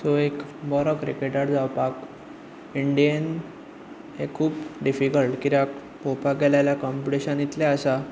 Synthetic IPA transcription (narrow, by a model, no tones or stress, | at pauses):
soekbɔɾɔkɾikeʈaʈd͡zawpak | iɳɖijən | ekʰuːpɖifikəlʈkit̪ak | popaɡɛljajljakɔmpiʈiɕənjit̪laəsa